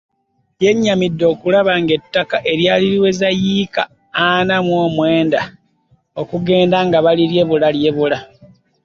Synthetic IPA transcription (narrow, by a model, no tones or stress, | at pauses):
je̞ɲːamidːo̞ːkulaβaŋɡe̞tːakaʔe̞ɾjaːliɾiwe̞zajika̰ː | namwoːmwe̞ːnda | o̞kuɡe̞ːndaŋɡaβaliɾje̞βulalje̞βula